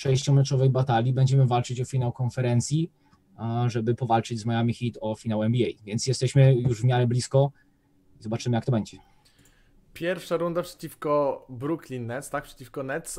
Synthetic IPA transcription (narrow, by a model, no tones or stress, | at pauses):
ʂɛjɕt͡ɕɔmɛtt͡ʂɔvɛjbat̪alʲibɛɲd͡ʑɛmɘvalt͡ʂɘt͡ɕɔfʲinawkɔnfɛɾɛnt̪sʲji | ʐɛbɘpɔvalt͡ʂɘd͡ʑzmajamʲixʲit̪ɔfʲinawɛmbʲiɛjvʲjɛntsjɛst̪ɛɕmɘjuʐvmʲjaɾɛblʲiskɔ | izɔbat͡ʂɘmɘjakt̪ɔbɛɲd͡ʑɛ | pʲjɛɾfʂaɾund̪apʂɛ̥t͡ɕifkɔbɾuklʲinːɛt̪st̪ak̚pʂɛ̥t͡ɕifkɔnɛt̪s